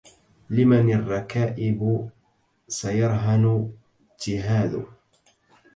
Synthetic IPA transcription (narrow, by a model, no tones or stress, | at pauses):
lɪmanɪrˤːɑkaːʔɪb | sajɑɾˤɦan | d͡ʒɪɦaːðʊ̰